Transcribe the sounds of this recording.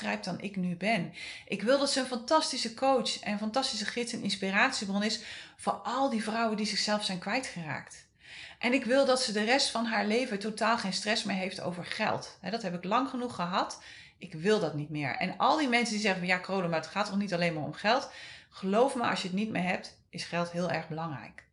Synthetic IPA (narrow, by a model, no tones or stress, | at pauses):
rɛjp̚dɑnɪ̰knybɛnʔɪkʋɪlˠdɑtsəənfɑntɑstisəkʰowtsɛ̰nənfɑntɑstisəχɪtsənɪnspiraːtsibrɔnɪsfoɑlˠdivrʌwəndizɪχsɛlˠfsɛjnkʋɛjtχəra̰ːkt | ʔɛnɪkʋɪlˠdɑtsədərɛstfɑnɦaːɹlejvətowtaːlˠχejnstrɛsmɪːɹɦejfto̰wvəɹχɛ̰lˠtɦɛdɑtɦɛp̬ɪklɑŋχənuχəɦɑt | ʔɪkʋɪlˠdɑtnitmɪːɹɛ̰nɑ̰lˠdimɛnsəndizɛχəɑjaːkrowləmaətχaːtɔχnitɑlejnmaːɹɔ̰mχɛlˠtχəlowfməɑ̰sʃjəətnit̚mḛːɹɦɛp̚t | ʔɪsχɛlˠtɦɪːlˠɛɹχbəlɑŋrɛ̰jk